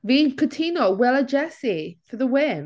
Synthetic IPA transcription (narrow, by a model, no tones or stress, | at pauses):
vĩnkʰətʰinowɛləd͡ʒɛsifəðəwɪm